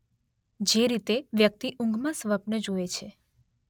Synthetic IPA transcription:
d͡ʒeɾit̪eʋjək̚t̪iʔũŋɡʱmãsʋəpnəd͡ʒoet͡ʃʰe

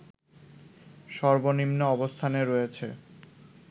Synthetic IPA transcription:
ʃɔɾbonimnoɔbost̪ʰaneɾojet͡ɕʰe

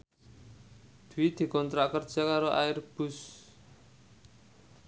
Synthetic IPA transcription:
d̪̥uwid̪̥i̤kɔnt̪ɾaʔkərd̥ʒ̥a̤kaɾoʔa̰ɪrb̥ʊs

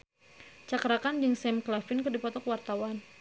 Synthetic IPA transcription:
t͡ʃakɾakand͡ʒɨŋsɛmklafɪnkərdipɔt̪ɔkwart̪awan

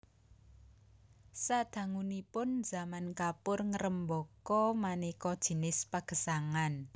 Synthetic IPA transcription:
sad̪̥ä̤ŋunipʊnz̥a̤mankapʊrŋəɾəmbɔkɔmanikɔd̥ʒ̥i̤nɪspaɡ̥ə̤saŋan

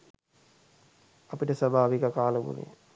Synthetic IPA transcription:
ɐpiʈəsɐbʱaːʋikɐkaːləʋṵnḛ

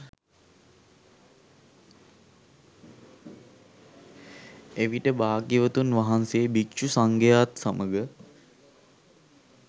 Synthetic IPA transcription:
eʋiʈəbaːɡiʋət̪unʋaɦanseːbikʃusaŋɡəjat̪saməɡə

